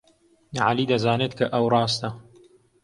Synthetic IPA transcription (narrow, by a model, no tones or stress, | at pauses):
ʕalid̪ɐzaːnet̪kʰɐʔɐwrˤɑːst̪ɐ